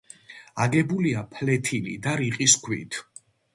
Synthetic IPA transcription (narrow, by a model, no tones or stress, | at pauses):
aɡɛbuliapʰlɛt̪ʰilḭd̪aɾiqʼiskʰwḭt̪ʰ